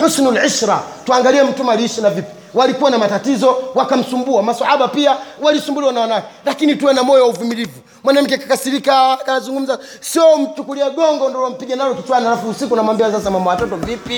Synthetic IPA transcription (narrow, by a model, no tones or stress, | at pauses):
ħusnulʕiʃɾatuaŋɡaliɛm̩tumaliiʃinavipi̥ | walikuwanamatatizɔwakam̩sumbuamasahaɓapiawalisumbuliwanawanakɛlakinituɛnamɔjɔwauvimilivu | mwanam̩k̬ɛkakasiɾikakanazuŋɡum̩za | siɔm̩t͡ʃukuliaɡɔŋɡɔndɔlam̩piʄanalɔkit͡ʃwanalafuusikunamwambiasasamamawatɔtɔvipi